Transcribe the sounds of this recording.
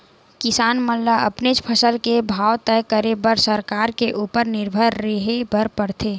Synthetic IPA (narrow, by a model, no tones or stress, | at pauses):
kɪsaːnməlːaɐ̰pnet͡ʃpʰəsəlkebʱaːwt̪ɛːkəɾebəɾsəɾkaːɾkeʔuːpəɾnɪɾbʱəɾːəɦebəɾpəɽt̪ʰeː